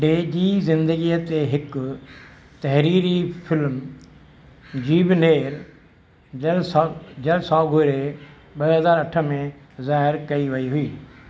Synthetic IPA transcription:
ɖeːd͡ʑiːzɪ̃nd̪əɡiːət̪eɦɪkʊ | t̪ɐɦɾiːɾifɪlm | d͡ʑiːbɪneːɾ | ɐlsd͡ʑɐlsaːɡʱoɾe | ɓɐɦɐzaːɾɐʈʰə̆mẽ | zaːɦɪɾkɐiʋɐiɦʊiː

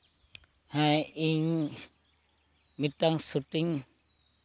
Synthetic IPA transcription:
hajiɲ | mitaŋsuʈiŋ

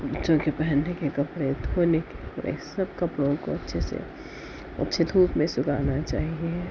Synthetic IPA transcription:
bətːʃõkepɛɦənːekekɐpɽed̪ʰʱonekeɾḛsəbkəpɽõko̰ətːʃʰesḛ | ɐ̰tːʃʰed̪ʱuːpmẽsʊkaːnat͡ʃaːɦie

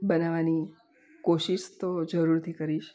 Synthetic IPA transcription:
bənaʋani | koʃiʃt̪od͡ʒəɾuɾt̪ʰikəɾiʃ

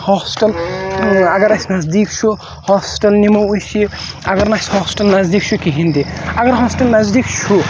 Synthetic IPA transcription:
hɔsʈɐl | aɡɐɾasnazd̪ikt͡ʃʰu | hɔspi̥ʈɐlnimowujsi | aɡɐɾnashɔsʈɐlnazd̪ikt͡ʃʰukiɦind̪iaɡɐɾɦɔsʈɐlnazd̪ikt͡ʃʰu

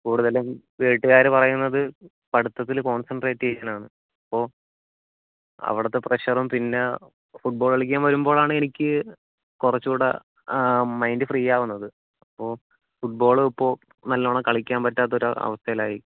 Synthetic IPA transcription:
kuːɽuðɐlemʋeːʈːɨɣaːɾɨpɐrɐjunːɐðɨ | pɐɽut̪ːɐt̪ːilko̞ːnsɐɳɖre̞ːtːiɐjanaːɳɨ | ɐpːo̞ː | ɐ̰ʋiɽɐt̪ːe̞preɕɐrumpinːe | fuʈ̚boːɭɐɭikʲːaːnʋɐɾumbo̞ːɭaːɳɨe̞nikʲːɨ | kurɐt͡ɕːuːɽɐ̰ | mɐjndɨfriːjaːʋunːɐðɨ | ɐpːo̞ː | fuʈ̚bo̞ːɭipːo̞ː | nɐlːoːɳɐkɐɭikʲːaːmpɐtːaːt̪ːɐoɾṵɐ̰ʋɐst̪ʰɐɐlaːji

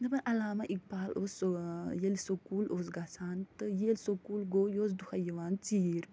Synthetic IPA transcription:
nɐbɐnʔɐlaːmɐʔik̚paːloːsojelsokuːloːs̬ɡasaːnt̪ɨjelʲsokuːlɡoːjoːs̬d̪uhɐjɐʋaːnt͡siːɾ

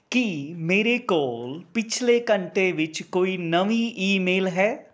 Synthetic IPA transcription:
kimeːɾekoːlpɪt͡ʃʰlekɐ̃ɳʈeʋɪt͡ʃkoːinɐʋiʔiːmeːlɦɛː

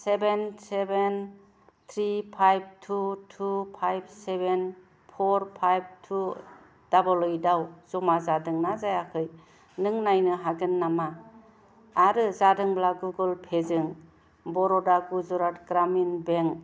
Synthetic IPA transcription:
sebenseben | t̪ʰɾipʰajb̚tʰutʰupʰajb̚seben | pʰɔɾpʰajb̚tʰu | d̥abɔlɔjdawzɔmazadɯŋnazajakʰɯj | nɯŋnajnɯɦaɡɯnːamaː | ɾɯzadɯŋblaɡuɡɯlpʰezɯŋ | bɔɾɔdaɡuzɔɾatɡɾaminbeŋ

